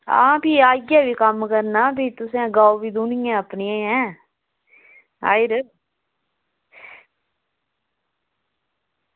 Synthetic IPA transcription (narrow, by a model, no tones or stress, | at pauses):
a̰ːbiːaːɡaːbiːkəmkəɾnaːbʱiːt̪ʊsẽːɡaːoʋiːd̪unɪjãːəpnijãːɛ̃ː | a̰ːɪɾə